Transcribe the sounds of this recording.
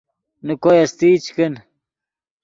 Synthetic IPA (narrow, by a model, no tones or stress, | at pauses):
nukojɐst̪iːt͡ɕkɐn